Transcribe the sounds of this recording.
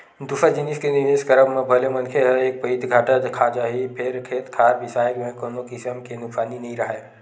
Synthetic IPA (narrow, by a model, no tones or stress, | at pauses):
d̪ufəd͡ʒiniskenɪʋeːskəɾəbmẽbʱɐlemɐnkʰeəeːk̚pəit̪ʰɡʱaːʈəd̪kʰad͡ʒaːɦipʰeɾkʰeːt̪kʰaːɾbɪsaːjəkmẽkonokɪsəmkenʊksaːninɐɦĩɾɐɦe